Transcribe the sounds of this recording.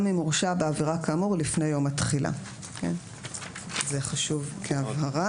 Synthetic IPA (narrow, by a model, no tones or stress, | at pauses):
mimuʁʃabeaviʁakamuʁlifne̞jo̞matχila̰ | kḛn | zeχaʃuvkʰeavɦaʁa